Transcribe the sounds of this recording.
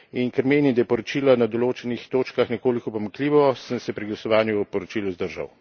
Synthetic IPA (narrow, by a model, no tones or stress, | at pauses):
inkəɾmeːnid̪ajɛpɔɾɔt͡ʃiːlanad̪ɔloːt͡ʃɛnixt̪oːt͡ʃkaxnɛkoːlikɔpɔmakliːʋɔsənsɛpɾiɡlasɔʋaːnjupɔɾɔt͡ʃiluzd̪əɾʒa̰w